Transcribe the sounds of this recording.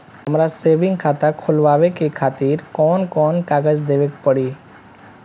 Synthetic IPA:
ɦəmɾaseːʋɪ̃ŋɡkʰaːt̪akʰʊlʋaːʋekekʰaːt̪iːɾkɔːnkɔːnkaːɡəd͡ʒd̪eːʋekpəɽiː

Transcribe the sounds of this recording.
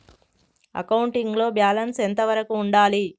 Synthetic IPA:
ɐ̰kɐwuɳʈiŋɡlo̞ːbjaːlɐnsent̪ɐʋɐɾɐkuːɳɖaːli

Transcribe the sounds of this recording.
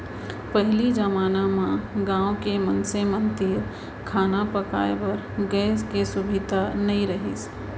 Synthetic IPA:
pɛɦlid͡ʒəmaːnamãɡãːõkemɐ̃nsemə̃nt̪iːɾ | kʰaːnapɐka̰ːepɐɾ | ɡɛːskesʊbʱɪd̪ʱanɐĩɾɐɦḭs

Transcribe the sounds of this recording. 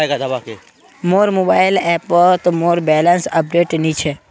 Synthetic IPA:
ɡad̪abake | moːɾmobaːɪlɛpət̪moːɾbɛːlənsəp̚ɖeʈnĩt͡ʃʰe

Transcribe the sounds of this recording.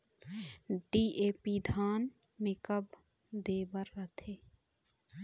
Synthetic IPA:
ɖiːeːpid̪ʱaːn | mɪkəb | d̪eːbəɾːət̪ʰeː

